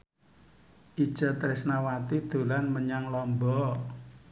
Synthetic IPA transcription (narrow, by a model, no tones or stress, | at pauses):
ʔid̥ʒ̥a̤t̪əɾɪsnawat̪id̪̥o̤lanməɲaŋlɔmbɔ